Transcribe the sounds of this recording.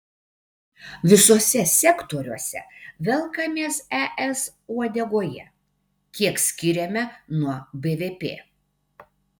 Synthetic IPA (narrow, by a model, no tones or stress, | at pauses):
ʋʲɪsoːsʲɛsʲɛkt̪oːɾʲuɔsʲɛ̰ʋʲɛlˠkɐmʲeːsɛʔɛs | uɔd̪ʲɛɡoːjɛ̰ | kʲiɛksʲkʲɪɾʲɛmʲɛnuɔbʲeːʋʲeːpʲḛː